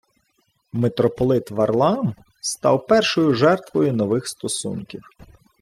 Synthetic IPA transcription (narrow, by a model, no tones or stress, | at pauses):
met̪ɾɔpɔlˠɪt̪ʋɐrlˠɑm | st̪ɑwpɛrʃɔjʊʒɛrt̪ʋɔjʊnɔʋɪxst̪ɔsṵnkʲiw